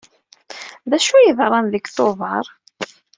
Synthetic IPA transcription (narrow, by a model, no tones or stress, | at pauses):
ðæʃujəðrˤːɑnðəɡθoðˤɑɾˤ